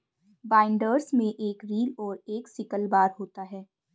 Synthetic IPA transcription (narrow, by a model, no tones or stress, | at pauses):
baːɪ̃ɳɖəɾsmẽʔeːkɾiːlɔːɾeːksɪkəlbaːɾɦoːt̪aɦɛː